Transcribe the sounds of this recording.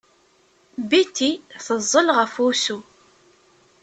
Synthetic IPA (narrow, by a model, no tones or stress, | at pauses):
bit̪ːiθəzˤːəlʁəfusu